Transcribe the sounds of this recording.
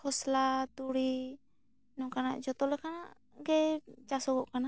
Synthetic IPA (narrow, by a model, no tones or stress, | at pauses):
hɔslat̪uɽi | nukanaʔd͡ʒɔt̪ɔlɛkanaʔ | ɡɛt͡ʃasɔɡɔʔkana